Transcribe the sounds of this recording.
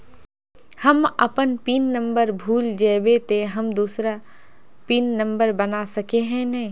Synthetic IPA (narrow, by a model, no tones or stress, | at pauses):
hɐmɐpənpiːnːə̃mbəɾbʱuːld͡ʒɛːbet̪eɦɐmd̪uːsɾa | piːnːɐ̃mbəɾbɐnasɐkeɦɛ̃nɛ̃ː